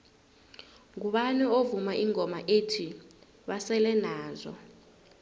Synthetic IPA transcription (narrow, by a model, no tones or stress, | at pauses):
ŋuɓanɛovumaʔiŋɔmaʔetʰi | ɓasɛlɛnaːzɔ̰